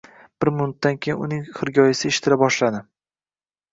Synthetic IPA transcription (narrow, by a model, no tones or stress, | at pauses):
b̥ɪɾmʊnʊt̪̚d̪ankʲʰejɪnʊnɪŋχɨɾɡʲɒjɪsɪeʃɪ̥t̪ʰɪɾabɒʃlad̪ɪ